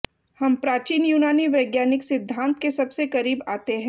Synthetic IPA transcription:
hɐmpɾaːt͡ʃiːnjuːnaːniʋɐɪɡjaːnɪksɪd̪ʱːãːnt̪kesɐbsekɐɾiːbaːt̪eɦɛ̃ː

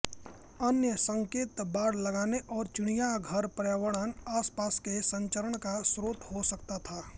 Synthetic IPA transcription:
ənjəsə̃ŋkeːt̪baːɽlɐɡaːneʔɔːɾt͡ʃʊɽ̃ijaɡʱɐɾpəɾjaːwəɽaːnaːspaːskesɐ̃ɲt͡ʃəɾəɽkasɾoːt̪ɦosɐk̚t̪at̪ʰaː

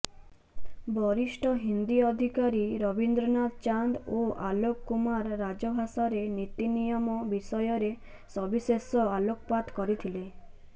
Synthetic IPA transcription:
bɔɾisʈɔɦind̪iɔd̪ʱikaɾiɾɔbind̪ɾɔnad̪t͡ʃand̪oʔalokːumaɾːad͡ʒɔbʱasaɾenit̪inijɔmɔbisɔjɔɾe | sɔbisesɔalokɔpad̪kɔɾit̪ʰile

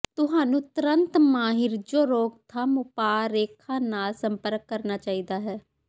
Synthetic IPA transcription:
t̪ʊɦaːnũːt̪ɾənt̪maːɦɪɾd͡ʒoːɾoːkt̪ʰaːmʊpaːɾeːkʰːãːnaːlsəmpəɾkːəɾnaːt͡ʃaːiːd̪aːɦɛː

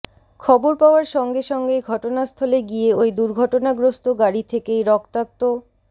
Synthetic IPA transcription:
kʰɔboɾpaoaɾʃɔŋɡeʃɔŋɡeɡʱɔʈonast̪ʰoleɡieojd̪uɾɡʱɔʈonaɡɾost̪oɡaɾit̪ʰekejɾɔkt̪ak̚t̪o

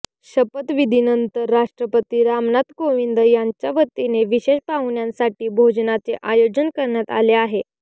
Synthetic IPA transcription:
ɕəpət̪ʋid̪ʱinənt̪əɾːaʂʈɾəpət̪iːɾamnat̪koʋind̪əjaɲt͡ɕjaʋət̪ːineʋiɕeɕpawɳjãnsaʈiːbʱod͡znat͡seʔajod͡ʑənkəɾɳjat̪a̰leaɦe

